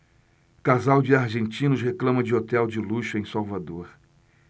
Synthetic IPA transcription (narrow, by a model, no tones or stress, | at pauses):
kazawd͡ʒɪaɾʒẽnt͡ʃĩnʊsɦeklɐ̃mɐd͡ʒɪot̪ɛwd͡ʒɪluʃʊẽj̃sawvad̪oɾ